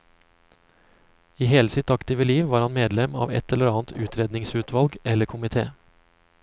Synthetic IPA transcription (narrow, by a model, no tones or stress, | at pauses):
iːheːləsɪt̪ɑkt̪ɪːʋəliːʋʋɑːɾhɑnmeːd̪lɛmɑ̰ːʋɛ̰t̪ʰɛləɾɑːnt̪ʰʉːt̪ʰɾeːd̪nɪŋsʉːt̪ʰʋɑlɡɛləkʰʊmɪt̪ʰḛː